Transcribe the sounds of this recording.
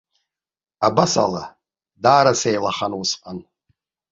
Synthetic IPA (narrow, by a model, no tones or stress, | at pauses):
abasa̰la̰ | daːɾasejlaχanwʊsqʼan